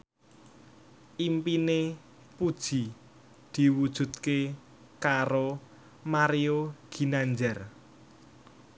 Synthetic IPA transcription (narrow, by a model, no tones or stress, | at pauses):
ʔimpine | pud̥ʒ̥i̤ | d̪̥i̤wud̥ʒ̥ṳt̪̚ke | kaɾo | maɾioɡ̥i̤naɲd͡ʒɛr